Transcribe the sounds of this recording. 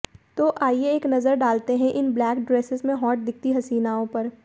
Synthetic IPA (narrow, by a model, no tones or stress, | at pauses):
t̪oːʔaːieːknɐzəɾɖaːlt̪eɦɛ̃ʔɪnblɛːkɖɾeːsɪzmẽɦɔːʈ̚d̪ɪk̚ʰt̪iɦɐsiːnaːõpɐɾ